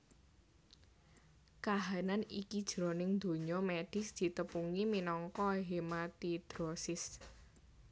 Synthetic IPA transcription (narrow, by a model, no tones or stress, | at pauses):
kaɦananikid̥ʒ̥ɾo̤nɪŋd̪̥o̤ɲɔmeɖ̥ɪ̤sd̪̥i̤t̪əpuŋiminɔŋkɔɦemat̪id̪̥ɾɔsɪs